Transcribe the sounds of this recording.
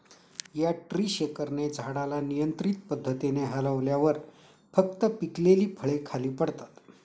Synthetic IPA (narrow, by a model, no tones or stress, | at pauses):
jaʈɾiːɕekəɾned͡zʱaɽalanijənt̪ɾit̪̚pəd̪ʱːət̪ineɦələʋljaʋəɾ | fək̚t̪əpikleliːpʰəɭekʰaliːpəɽt̪ḁt̪